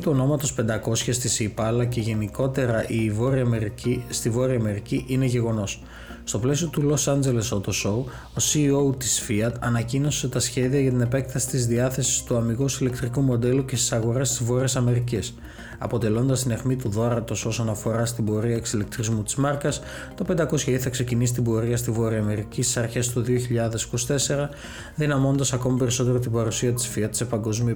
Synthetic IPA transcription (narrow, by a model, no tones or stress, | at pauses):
t̪uo̞no̞mɐt̪o̞spe̞nd̪ɐko̞sçɐst̪isiːpɐlɐce̞ʝe̞niko̞t̪e̞ɾɐʔivo̞ɾiɐst̪ivo̞ɾiɐme̞ɾiciʔine̞ʝe̞ɣo̞no̞s | st̪o̞ple̞siot̪ulo̞sɐnd͡ze̞le̞sot̪osou | o̞sio̞wt̪isfiɐd̪ɐnɐcino̞se̞t̪ɐsçe̞ðiɐʝɐt̪ine̞pe̞k̚t̪ɐsi̥t̪izðiɐθe̞si̥st̪uɐmiɣosile̞kt̪ɾikumo̞d̪e̞luce̞st̪isɐɣo̞ɾe̞st̪izvo̞ɾiɐsɐme̞ɾicis | ɐ̰po̞t̪e̞lo̞nd̪ɐst̪inexmit̪uðo̞ɾɐt̪o̞so̞sonɐfo̞ɾɐst̪ibo̞ɾiɐeksilek̚t̪ɾizmut̪izmɐɾkɐs | t̪ɐpend̪ɐko̞sçɐiθɐkse̞cinisi̥t̪ibo̞ɾiɐst̪ivo̞ɾiɐme̞ɾicist̪i̥sɐɾçe̞st̪uðioçiʎɐðe̞si̥ko̞si̥t̪ese̞ɾɐ | ðinɐmo̞nond̪ɐsɐko̞mipe̞ɾiso̞t̪e̞ɾo̞t̪̬ibɐɾusiɐt̪i̥sfiɐt̪se̞pɐŋɡo̞zmi